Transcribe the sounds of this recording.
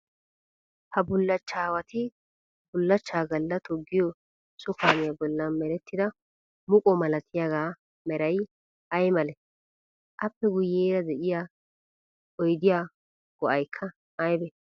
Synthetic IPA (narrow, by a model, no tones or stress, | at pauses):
hɐbʊlːɐt͡ʃːaːwɐt̪ɪ | bʊlːɐt͡ʃːaːɡɐlːɐt̪ʰɔɡːɪjɔ | sɔkaːnɪjɐbɔlːɐnmɛɾɛt̪ːɪd̪ɐ | mʊkʼɔmɐlɐt̪ʰɪjaɡaː | mɛɾɐj | ɐjmɐlɛ | ʔɐpːɛɡʊjːeːɾɐd̪ɛʔɪja | ɔjd̪ɪjaː | ɡ̥ɔʔɐjkʰːɐ | ɐjbɛ